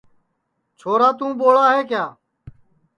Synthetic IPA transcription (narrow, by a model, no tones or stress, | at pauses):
t͡ʃʰoːɾaːt̪ũːboːɭaːɦeːk̬jaː